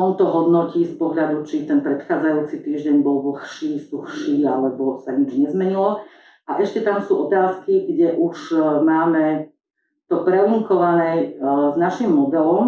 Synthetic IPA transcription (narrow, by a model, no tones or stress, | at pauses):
ɔnt̪ɔɦɔd̪nɔciːspɔɦʎad̪ut͡ʃit̪ɛnpɾɛt̪xaːd͡zajuːt͡sit̪iːʒɟɛɲbɔlʋl̩xʃiːsuxʃiːalɛbɔsaɲid͡ʒɲɛzmɛɲilɔ | aʔɛʃcɛt̪amsuːʔɔt̪aːskiɡɟɛʔuʒmaːmɛ | t̪ɔpɾɛuŋkɔʋanɛznaʃimːɔd̪ɛlɔm